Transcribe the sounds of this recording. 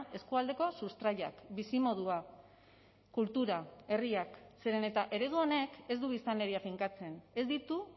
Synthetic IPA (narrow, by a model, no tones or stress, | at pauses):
e̞skuald̪e̞ko̞sust̪ɾaʎa̰kbisimo̞ðua | kult̪uɾae̞riakseɾe̞ne̞t̪aʔe̞ɾe̞ðuone̞ke̞zd̪uβ̞ist̪anle̞ɾiafiŋkat͡se̞ne̞zd̪it̪u